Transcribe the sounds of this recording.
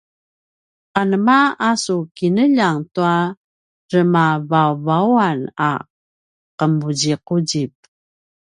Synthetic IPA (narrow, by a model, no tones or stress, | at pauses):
qanəmaasukinəʎaŋtua | rəmavavauana̰ | qəmud͡ʑiquɟip̚